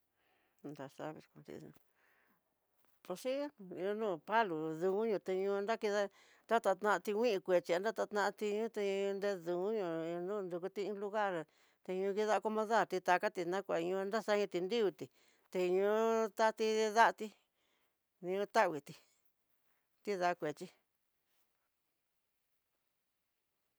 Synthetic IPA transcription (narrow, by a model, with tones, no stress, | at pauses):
nd̪a˧ʂa̰˦βḭ˧ɾkʷã̰˧t̪ḭ˧ṵ̃˧ | po˧ʂi˦˧o˧nũː˦˨pa˦lu˨ðũ˧u˦ɲũ˧t̪e˧ɲũ˧nd̪a˦ki˧ða˦ | d̪a˦t̪a˧t̪nã˧t̪i˧wʷĩ˦ʔĩ˧kʷe˨t͡ʃi˧a˧d̪a˦t̪a˧t̪nã˧a˧t̪i˧ɲũ˦t̪e˧nd̪e˧ðũ˨˦ɲũ˧nũ˦˧nd̪u˧ku˧t̪ĩ˦ĩ˧˦lu˧ɣa˦˨ɾ | t̪e˧ɲũ˧ki˧ða˦˧ko˧mõ˧ða˦˨ɾt̪i˧t̪a˧ka˦t̪i˧nã˦kʷa˨˧ɲũ˧nd̪a˦sa˦ɲũ˧t̪i˧nd̪i˦u˧t̪i˨ | t̪e˧ɲũ˧˦t̪a˦˧t̪i˧ða˦ʔt̪i˧ | nĩ˧ũ˧t̪a˦˨wi˨t̪i˧ | t̪i˦ða˧kʷe˨t͡ʃi˧